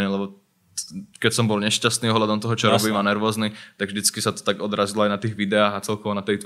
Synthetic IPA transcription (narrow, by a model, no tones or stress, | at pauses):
ɲɛlɛbɔ | kɛcsɔmbɔlɲɛʃcast̪niːɔɦlad̪ɔmt̪ɔɦɔt͡ʃɔɾɔbiːmanɛɾʋɔznit̪aɡvʒd̪it͡skisat̪ɔ̥t̪aɡɔd̪ɾaːzilɔajnat̪iːɣʋid̪ɛaːɣat͡sɛlkɔʋɔnat̪ɛjt̪